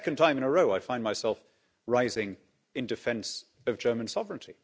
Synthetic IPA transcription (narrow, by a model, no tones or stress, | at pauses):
ɛkɨ̃n̩tʰãɪ̃mɨ̃nəɹoʊaɪfãɪ̃nmaɪsɛlˠf | ɹaɪzɪ̃ŋ | ɨ̃ndɨfɛ̃ns | ʌvd͡ʒɜ˞mə̃n̩sɑvɹɨ̃ntʰi